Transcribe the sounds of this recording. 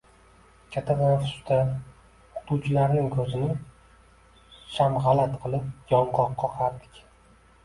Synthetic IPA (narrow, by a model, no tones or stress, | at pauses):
kʲʰat̪ʰad̪anfʊ̥st̪a | χʊ̥t̪ut͡ʃʰɪlaɾnɪŋkʰɵzɪnɪ | ʃamʁɑlat̪qʰɨlˠɪp̚jɒɴqɒqːɒqʰɑɾd̪ɪkʲ